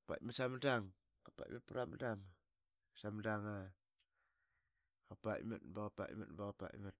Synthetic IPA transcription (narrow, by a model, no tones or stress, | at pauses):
pa̰masamadaŋ | kapa̰ʔḭmat̚paɾamadam | samadaŋa | kapa̰ma̰tbakapa̰ʔma̰tbaɣapa̰mat̚